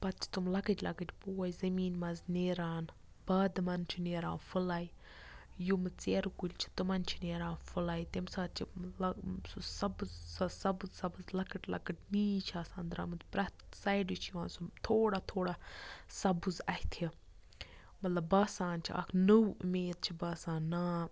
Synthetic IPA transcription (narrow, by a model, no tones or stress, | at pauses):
pɐt̪̚t͡ʃʰi̥t̪umlɐkəʈʲlɐkəʈʲpoːɐjizɐmiːnmɐzneːɾaːn | b̥ɐːd̪mɐnt͡ʃʰineːɾã̰ːfɨlaːj | jumɨt͡seːɾukulʲt͡ʃʰi̥t̪ɨmɐnt͡ʃʰineːɾãːnfulaːjt̪emsaːt̪t͡ʃʰilsusɐbɨzɐsɐbɨzsɐbɨzlɐkɐʈlɐ̰kɨʈniːt͡ʃʰaːsãːnd̪ɾa̰ːmɨt̪pɾɐt̪sajɖit͡ʃʰijuaːnsut̪ʰoːɽat̪ʰoːɽasɐbɨzɐhit̪ʰi | mɐt̪lɐbːɐːsãːnt͡ʃʰiʔa̰kʰnəwʔɨ̰meːt̪̚t͡ʃʰibɐːsaːnːaː